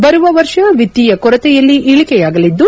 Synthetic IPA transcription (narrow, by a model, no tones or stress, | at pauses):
bɐɾuʋɐʋɐɾʂɐʋid̪ːiːjɐkɔɾɐt̪ɛjɐlːiʔiɭikɛjaːɡɐlid̪ːu